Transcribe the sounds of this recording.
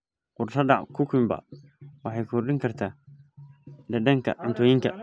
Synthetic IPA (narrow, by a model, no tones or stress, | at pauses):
qʊɾtadakukumba̰ | waħakuɾdɪŋkɐɾt̪a | dadɐŋka̰antojiŋka̰